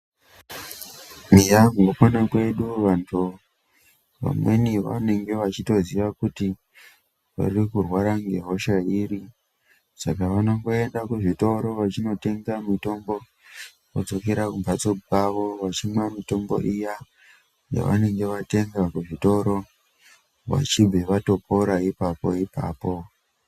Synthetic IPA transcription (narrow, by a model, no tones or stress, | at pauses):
mijaɡʱopanakwe̞ɗuʋantʰu | ʋa̰mwe̞niʋa̰ne̞ŋɡe̞ʋat͡ʃito̞ziʋakuti | ʋa̰rikurwaɾaŋɡe̞̰ɦo̞ʃaiːɾi | sakaʋanoŋɡo̞e̞ndakuʐito̞ɾo̞ʋat͡ʃino̞te̞ŋɡamito̞mbo̞ | kod͡zo̞keɾakumpat͡sokaʋo̞ʋat͡ʃimwamito̞mbo̞̰ʔija | ja̰ʋa̰ne̞ŋɡe̞ʋate̞ŋɡakuʐito̞ɾo̞ | ʋa̰t͡ʃibʱeʋato̞po̞ɾaipapo̞̰ipa̰ːpo̞